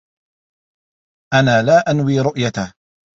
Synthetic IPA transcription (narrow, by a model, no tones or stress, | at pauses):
ʔanaːlaːʔanwiːɾʊʔjat̪a